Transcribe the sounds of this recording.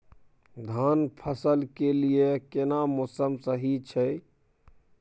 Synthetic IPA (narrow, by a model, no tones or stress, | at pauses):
d̪ʱanpʰəsəlkelijekenamosəmsəɦit͡ʃʰɛ